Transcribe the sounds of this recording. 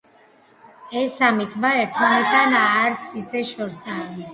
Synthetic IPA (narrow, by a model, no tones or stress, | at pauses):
ɛsamit̪ʰbaɛɾt̪ʰmanit̪ʼanaɾt̪sʰisɛʃɔɾsa